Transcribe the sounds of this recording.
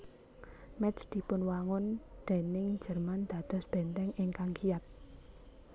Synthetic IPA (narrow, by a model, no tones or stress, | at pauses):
mɛsd̪̥i̤pʊnwaŋʊnd̪̥e̤nɪŋ̥d͡ʒ̥ərmand̪̥ä̤d̪̥ɔ̤sb̥ɛnt̪ɛŋʔɪŋkaŋkiat̪̚